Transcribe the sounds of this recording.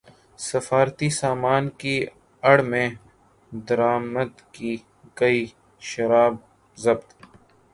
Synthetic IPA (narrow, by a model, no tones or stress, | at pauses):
sɐfaːɾt̪isaːmaːnki | ɐɽmẽ | d̪ɐɾaːməd̪ki | kɐiː | ʃɐɾaːb̚ | zɐbt̪